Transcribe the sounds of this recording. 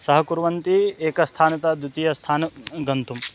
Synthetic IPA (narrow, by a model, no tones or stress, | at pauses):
sɐɦɐkuɾʋɐnt̪ieːkɐst̪ʰaːnɐt̪ɐd̪ut̪iːjɐst̪ʰaːnɐɡɐnt̪um